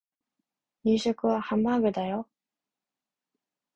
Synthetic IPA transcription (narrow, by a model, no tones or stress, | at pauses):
ɲiɕokɯβahamːaɡɯd̪ajo